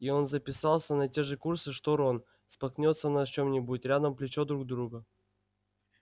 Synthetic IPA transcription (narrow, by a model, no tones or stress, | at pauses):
io̞nzəpʲɪsɑlˠsʲənɐtʲe̞ʐɨkursɨʂt̪oɾon | spɐknʲo̞t̪sːənɐt͡ɕo̞mnʲɪbutʲɾʲad̪əmplʲɪt͡ɕo̞d̪ɾuɡd̪ɾuɡə